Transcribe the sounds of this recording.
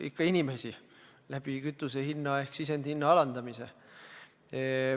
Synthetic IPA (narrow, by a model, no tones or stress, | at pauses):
ḭkːɑinime̞si | læb̥ikyt̪ːˑusehinːɑe̞hksisend̪̥hinːɑɑlɑnd̪ɑmise̞̰